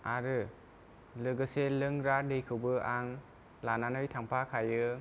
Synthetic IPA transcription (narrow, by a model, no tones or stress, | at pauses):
aɾɯ | lɯɡɯselɯŋɾadɯjkʰɯwbɯʔaŋ | lananɯjtʰaŋpʰakʰajɯ